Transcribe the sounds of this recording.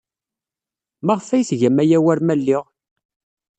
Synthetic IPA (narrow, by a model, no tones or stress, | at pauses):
mæʁfæjsʝæmæjæwæɾmælːiʁ